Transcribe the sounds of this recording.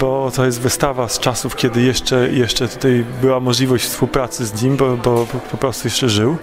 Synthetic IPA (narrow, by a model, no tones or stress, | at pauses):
bɔt̪ɔjɛst̪vɘst̪avast͡ʂasufkʲɛd̪ɘjɛʂt͡ʂɛjɛʂt͡ʂɛt̪ut̪ajbɘwamɔʐlʲivɔɕt͡ɕfspuwpɾat̪sɘzɲimʲbɔbɔpɔpɾɔst̪ujɛʂt͡ʂɛʐɘw